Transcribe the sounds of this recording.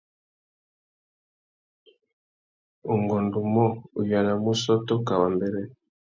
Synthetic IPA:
o˨ŋɡɔ˨ndu˨mɔ˦u˨ja˨la˨mu˦sɔ˦tɔ˦ka˨wa˨mbe˨ɾɛ˦

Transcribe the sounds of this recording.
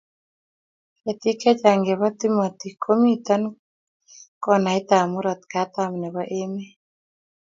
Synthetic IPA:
ɛ˨t̪i˦kɛ˦t͡ʃa˨ŋɡe˨βa˦t̪i˦ma˨t̪i˨kʰo˦mi˦t̪a˦n | kɔ˦na˨i˦t̪a˨mu˦ɾɔ˨t̪̚ka˨˦t̪a˨mnɛ˨βa˦ʔe˦me˦

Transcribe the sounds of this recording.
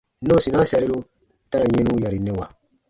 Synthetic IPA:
no˦˨si˨nã˦sɛ˨ɾi˦lu˦ | ta˦ɾa˨jẽ˦nũ˦ja˨ɾi˨ne˦wa˨

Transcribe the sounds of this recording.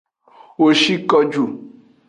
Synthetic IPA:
wo˨ʃi˦kɔ˦d͡ʒu˨

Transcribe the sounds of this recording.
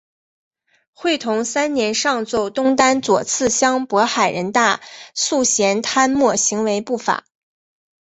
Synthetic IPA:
xwe˥˩ɪt̪ʰʊ˧˥ŋsa˥nnjɛ˧˥nʂɑ˥˧ŋt͡so˥˩ʊt̪ʊ˥ŋt̪a˥nt͡swɔ̰˨˩t͡sʰɹ̩˥˩ɕjɑ˥ŋpwɔ˧˥xa˨˩ɪɻə˧˥nt̪a˥˧su˥˩ɕjɛ˧˥nt̪ʰa˥nmwɔ˥˩ɕi˧˥ŋwe˧˥ɪpu˥˩fa̰˨˩˦

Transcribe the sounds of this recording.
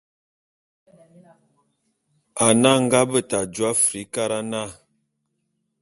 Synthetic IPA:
a˨na˦ŋ̩˦ɡa˦bə˦ta˨d͡ʒwa˦fɾi˨˦ka˦ɾa˦na˦˨

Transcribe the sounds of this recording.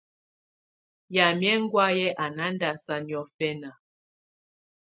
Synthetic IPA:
ja˨mjɛ˦ŋ˦ɡwa˦jɛ˦ʔa˨na˦nda˨sa˦njɔ˦fɛ˦na˨

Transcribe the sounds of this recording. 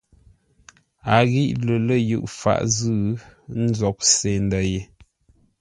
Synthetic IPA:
a˨ɣi˦ʔlə˨lə˦˨jʉ̰˦ʔfa̰˨ʔzʉ˦˨n̩˦zɔ˨k̚se˨ndə˨je˨

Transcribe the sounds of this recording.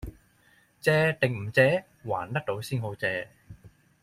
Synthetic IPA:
t͡sɛː˧t̪ɪ˨ŋm̩˨˩t͡sɛː˨˧˥ | wa̰ː˨˩nt̪ɐ˥k̚t̪o˨˥wsiː˥nɦo˨˥wt͡sɛː˧

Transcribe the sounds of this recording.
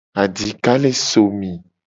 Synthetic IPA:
a˨di˨ka˦le˦so˨mĩ˨

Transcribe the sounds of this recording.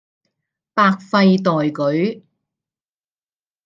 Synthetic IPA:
paː˧k̚fɐ˧jt̪ɔː˨jkɵ˨˥ɥ

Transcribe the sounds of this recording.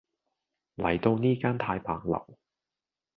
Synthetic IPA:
lɐ˨˩jt̪o˧wniː˥kaː˥nt̪ʰaː˧jpʰaː˨k̚lɐ̰˨˩w

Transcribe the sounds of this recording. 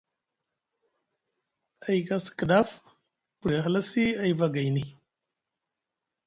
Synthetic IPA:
a˨jka˦skə˨da˦f | pu˨ɾe˨xla˦si˦a˦˨jva˦ɡa˨jni˦

